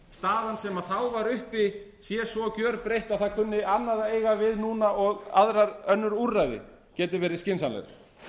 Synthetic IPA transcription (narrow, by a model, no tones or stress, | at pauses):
st̪aːðansɛmaðθawvaɾʏhpi | sjɛsvɔcœːɾpɾejht̪aðθaðkʰʏnːɪʔanːaðaeːjɣavɪðnuːnaʔɔɣa̰ðɾaɾœnːʏɾurːajðɪ̰ | cɛːt̪ɪvɛːɾɪscɪnsanlɛ̰ɾ